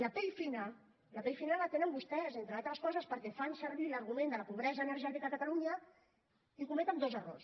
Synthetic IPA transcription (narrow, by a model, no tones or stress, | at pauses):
ləpejfinal | lapeʎfinalːat̪enəmbust̪ɛzent̪ɾəalˠt̪ɾəskɔzəspəɾkɛfansəɾβiləɾɣumẽnd̪ələpuβ̞ɾɛzəːnəɾʒɛt̪ikakət̪aluɲə | ikumɛt̪ənd̪ozəro̰rs